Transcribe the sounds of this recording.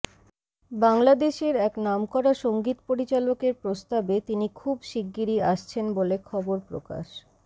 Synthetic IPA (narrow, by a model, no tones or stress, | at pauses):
baŋlad̪eʃeɾɛknamkɔɾaʃoŋɡit̪poɾit͡ɕalokeɾpɾost̪abet̪inikʰubʃiɡːiɾiaʃt͡ɕʰenbolekʰɔboɾpɾo̰ka̰ʃ